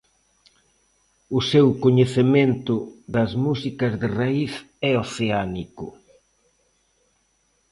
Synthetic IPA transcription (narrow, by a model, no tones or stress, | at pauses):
ʊsewkoɲeθement̪ʊðɐzmusikɐzðɪraiθ | ɛoθeanikʊ